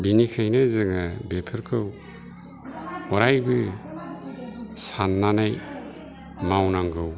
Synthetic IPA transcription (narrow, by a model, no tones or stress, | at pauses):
binikʰajnɯzɯŋɯbepʰɯɾkʰɯw | ɔɾajbɯ | sanːanaj | mawnaŋɡɯw